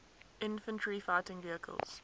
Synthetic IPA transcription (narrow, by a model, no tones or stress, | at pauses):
ʔɪ̃nfə̃ntʰɹifaɪtɪ̃ŋviəkʰə̰lˠz̥